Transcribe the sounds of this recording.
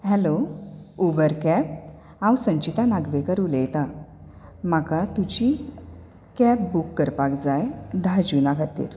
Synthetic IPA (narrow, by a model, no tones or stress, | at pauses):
ɦɛloubəɾkɛp̚ | ãwsə̃ɲt͡ɕit̪anaɡʋekəɾulejt̪a | m̤akat̪ud͡ʑi | kɛpbukːəɾpakd͡zajd̪ʱad͡ʑunakʰat̪ḭːɾ